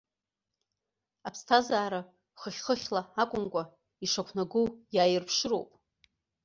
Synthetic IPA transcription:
apʰstʰazaːɾa | χəχʲχəχʲlaakʷʼʊmkʷʼa | iʂakʷʰnaɡujaːjɪrpʰʂɨɾo̰wpʼ

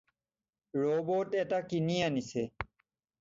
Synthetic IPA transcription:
ɾoːboːʈetakinijanise

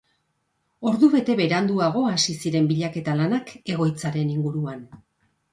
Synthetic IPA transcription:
o̞ɾðuβe̞t̪e̞βe̞ɾand̪uaɣ̞o̞asisiɾe̞mbiʎake̞t̪alanake̞ɣ̞o̞jt͡saɾe̞niŋɡuɾuan

